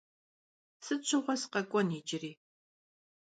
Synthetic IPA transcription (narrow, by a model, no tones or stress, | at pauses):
sɨt͡ʃʷʰɨʁʷɔsqɐkʷʼɔniːt͡ʃʼɪriː